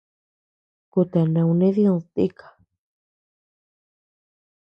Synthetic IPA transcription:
ku˧t̪a˨nã˨˧wnẽ˦ðjõ˧t̪i˦kʰḁ˨

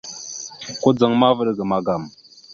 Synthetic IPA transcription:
ko˦d͡zə˨ŋma˦və˦ɾɡə˨ma˨ɡa˨m

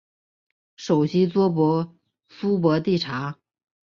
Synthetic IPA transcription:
ʂo˨˩ʊɕi˥t͡swɔ˥pwɔ˧˥ | su˥p̬wɔ˧˥t̪i˥˩ʈ͡ʂʰa˧˥

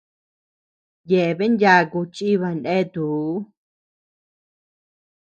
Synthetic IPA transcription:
je˨ʔe˨βe˦ndja˧ku˧t͡ʃi˦βa˧ndẽ˦˧t̪u˨˦

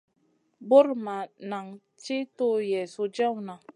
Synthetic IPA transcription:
bo˦ɾma˨na˨ŋ | t͡ʃi˦to˦jɛ˨so˨d͡ʒa˦wna˨

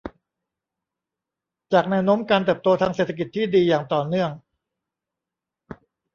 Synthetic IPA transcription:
t͡ɕaː˨˩k̚nɛː˦˥wnoː˦˥mkaː˧nt̪ɤɯː˨˩p̚t̪oː˧t̪ʰaː˧ŋseː˨˩t̪ʰːa˧k̬i˨˩t̪ʰːiː˥˩diː˧jaː˨˩ŋt̪ɔː˨˩nɯ˥˩əŋ

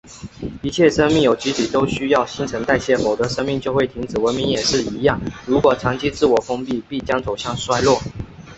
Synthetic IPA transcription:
i˧˥t͡ɕʰjɛ˥˩ʂə˥ŋmi˥˩ŋjo˨˩ʊt͡ɕi˧˥t̪ʰi˨˩t̪o˥ʊɕy˥jɑ˥˩ʊɕi˧˥nʈ͡ʂʰə˧˥ŋt̪a˥˧ɪɕjɛ˥˩xo˨˩ʊd̪ə˧˦ʂə˥ŋmi˥˧ŋt͡ɕjo˥˧ʊxwe˥˩ɪi˧˥ŋt͡sɻ̩˨˩wə˧˦nmi˧˥ŋjɛ˨˩ʂɻ̩˥˩i˧˥jɑ˥˩ŋɻu˧˥kwɔ˨˩ʈ͡ʂʰɑ˧˥ŋt͡ɕʰi˥t͡sɹ̩˥˩wɔ˨˩fo˥ŋpi˥˧pi˥˩t͡ɕjɑ˥ŋt͡so˨˩ʊɕjɑ˥˩ŋʂwa˥ɪlwɔ˥˩

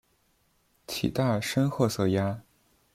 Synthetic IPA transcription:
t͡ɕʰḭ˨˩t̪a˥˩ʂə˥nxɤ˥˩sɤ˥˩ja˥

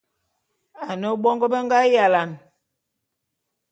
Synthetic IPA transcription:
a˨nə˦ɓɔ˦ŋɡə˦bə˦ŋɡa˦ja˨la˨n

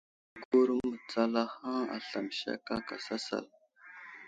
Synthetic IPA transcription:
ɡu˦ɾmə˨t͡sa˦la˦hã˦a̰˨ɬa˨mʃa̰˦ka˦ka˨sa˦sa̰˨l

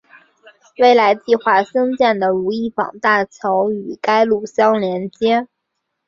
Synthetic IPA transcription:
we˥˩ɪla˧˥ɪt͡ɕi˥˧xwa˥˩sɤ˥ŋt͡ɕjɛ˥˩nd̪ə˩ɻu˧˥i˥˩fɑ̰˨˩ŋt̪a˥˩t͡ɕʰjɑ˧˥ʊy˨˩ka˥ɪlu˥˩ɕjɑ˥ŋljɛ˧˥nt͡ɕjɛ˥

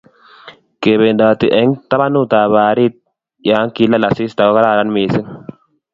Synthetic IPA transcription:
ke˨bɛ˨nd̪aː˨t̪ɪ˨ʔɛ˦ŋt̪ɐ˦bɐ˦nu˦t̪aː˨βaː˨ɾiː˦t̪̚ | jaː˦ŋki˦lːɐ˦˨lɐ˨siː˦st̪a˨kkɐ˦ɾaː˦˨ɾɐ˦nmiː˨sɪ˦n

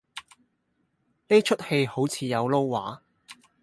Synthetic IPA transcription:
ne˥t͡ʃʰɵ˥t̚he˧jho˨˥wt͡sʰiː˨˧jɐ˨˧wlo˥wːa̰ː˨˥

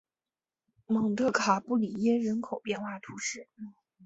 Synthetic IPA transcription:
mɤ˨˩ŋt̪ʰɤ˥˩kʰa˨˩pu˥˩li˨˩jɛ˥ɻə˧˥nkʰo˨˩ʊpjɛ˥˧nxwa˥˩t̪ʰu˧˥ʂɻ̩˥˩

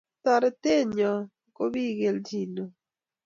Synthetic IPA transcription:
t̪ɔ˨ɾɛ˦t̪e˦˨ɲɔ˨ | ko˦βi˦˨ɡe˨ld͡ʒi˨no˨

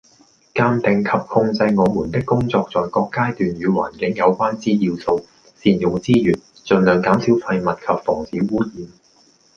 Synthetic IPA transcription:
kaː˧mt̪ɪ˨˩ŋkʰɐ˨p̚hʊ˧ŋt͡sɐ˧jŋɔː˨˧muː˨˩nt̪ɪ˥kːʊ˥ŋt͡sɔː˧k̚t͡sɔː˨jkɔː˧kːaː˥t̪yː˨nɥyː˨˧wa̰ː˨˩nkɪ˨˥ŋjɐ˨˧wkʷaː˥nt͡siː˥jiː˧wso˧w | siː˧njʊ˨ŋt͡siː˥jyː˨˩n | t͡sɵ˨nlœː˨˩ŋkaː˨˥msiː˨˥wfɐ˧jmɐ˨t̚kʰɐ˨p̚fɔː˨˩ŋsiː˨˥wwuː˥jiː˨˧m

